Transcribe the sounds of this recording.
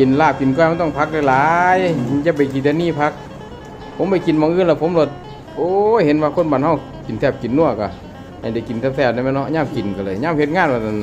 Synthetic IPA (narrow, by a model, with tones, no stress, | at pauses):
ki˨nlaː˧˩p̚ki˨nkɔ˧˩˨ha˧˩t̪ɔ˧˩ŋpʰa˧˥k̚la˧˩˨laː˨˧˦jt͡ɕa˧˥p̬a˨˩jki˨nʰɛː˧niː˧˥˨pʰa˧˥k̚ | pʰo˨˧˦mba˧˩jki˨nmɔː˧˨ŋʔɯː˧˥˨nlɛ˧˨pʰo˧˦mlo˧˩t̪̚ | ʔoː˧he˧˦nwaː˧kʰo˧˥˨nbaː˨nha˧˩w | ki˨nt̪ʰɛː˧˩p̚ki˨˩nːu˧˩˨ka˧˩ | a˧˩da˧˩˨ki˨nt̪ʰɛː˧psʰɛː˧˩p̚na˧˨ma˧˥˨nɔ˧ʔɲaː˧˥˨mki˨˩nka˧˩lɤː˧˨jɲaː˧˥˨mhe˧t̪̚ŋaː˧˨nwaː˧˩˧